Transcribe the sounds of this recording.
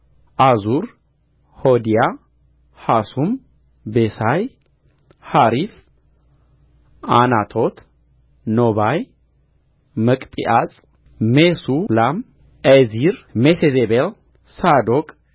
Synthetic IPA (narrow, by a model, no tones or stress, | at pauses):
ʔazuɾ | hod̪ija | hasum | besaj | haɾif | anat̪ʰot̪ʰ | noβaj | məkʼpʼḭʔat͡sʼ | mːesulam | ʔeziɾmesezebel | sad̪okʼ